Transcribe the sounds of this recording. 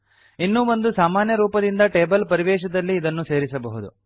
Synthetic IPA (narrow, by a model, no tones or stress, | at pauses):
inːuːʋɐnd̪usaːmaːnjɐɾuːpɐd̪ind̪ɐʈe̞ːbɐlpɐɾiʋɛːʃɐd̪ɐlːiːd̪ɐnːuse̞ːɾisɐbɐɦud̪ṵ